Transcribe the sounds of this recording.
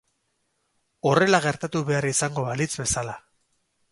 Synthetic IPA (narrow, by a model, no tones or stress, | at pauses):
o̞re̞laɣe̞ɾt̪at̪uβe̞arisaŋɡo̞βalit͡sbe̞sala